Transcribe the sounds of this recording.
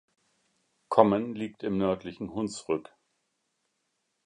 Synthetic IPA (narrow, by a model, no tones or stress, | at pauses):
kʰɔmənliːk̚tɪmnœɐtlɪçn̩hʊnt͡sʁʏk